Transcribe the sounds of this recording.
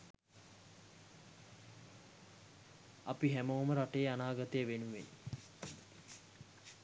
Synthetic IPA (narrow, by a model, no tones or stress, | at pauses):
apiɦæmoːməɾaʈejəanaːɡat̪əjəʋenuʋḛn